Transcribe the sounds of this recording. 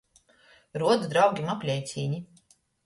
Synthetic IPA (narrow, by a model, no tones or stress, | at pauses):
ɾuɔd̪zd̪ɾawɡʲimapʲlʲɛjt̪sʲiːɲi